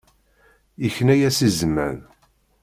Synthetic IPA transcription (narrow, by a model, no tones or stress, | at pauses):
içnæjæsizmæ̰n